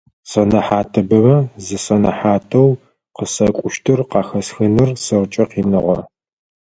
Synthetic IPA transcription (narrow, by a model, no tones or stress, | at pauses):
sɐnɐħaːtʰɐbɐmɐzɨsɐnɐħaːtʰɐw | qəsɐkʷʼʊʃtʰɨrqɑːxɐsxɨnɨrsɨrt͡ʃʼɐqiːnɨʁɐ̰